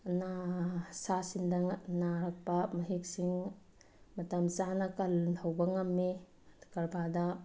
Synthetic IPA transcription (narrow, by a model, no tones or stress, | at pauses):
nasasindɐŋnaɾɐk̚pɐmɐɦik̚siŋ | mɐtɐmt͡ʃanɐkɐltʰɐwbɐŋɐmːi | kɐɾbʱadɐ